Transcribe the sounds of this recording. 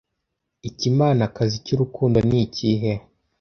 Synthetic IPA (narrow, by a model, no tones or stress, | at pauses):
icimaːnakazicuɾukuːndoniːciɦe